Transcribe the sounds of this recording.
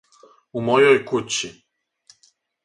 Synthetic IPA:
umojojkut͡ɕi

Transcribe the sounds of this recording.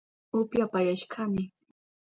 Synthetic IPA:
ʊpjapajaʃkʰamɪ

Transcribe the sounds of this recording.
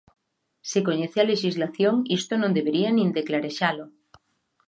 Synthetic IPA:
sekoɲeθealeʃizlaθjoŋist̪onõnd̪eβeɾianĩnd̪eklaɾeʃalo

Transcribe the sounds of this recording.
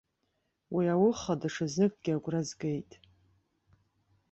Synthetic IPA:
wiawʊχadaʂazɨkʼɡʲɪaɡʷrazɡejtʼ

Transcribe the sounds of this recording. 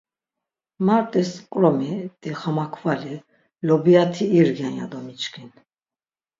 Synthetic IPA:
maɾt̪ʼɛskʼɾɔmit̪ʼiχamakʰvali | lɔbiat̪ʰiːɾɡjanja̰d̪ɔmit͡ʃkʰin

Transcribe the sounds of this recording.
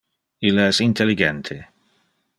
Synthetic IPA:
ilaɛsint̪ʰɛliɡɛnt̪ʰe

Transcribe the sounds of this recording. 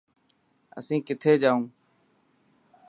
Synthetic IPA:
ə̰sĩːkɪt̪ʰeːd͡ʒaːũː

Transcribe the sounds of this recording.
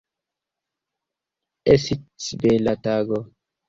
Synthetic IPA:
esitibelataɡɔ

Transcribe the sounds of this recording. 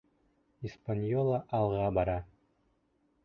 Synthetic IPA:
ispanʲjolˠaʔɑlˠʁɑbɑɾɑ

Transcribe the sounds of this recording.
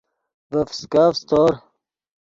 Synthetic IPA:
vəfskaːfst̪oːɾ

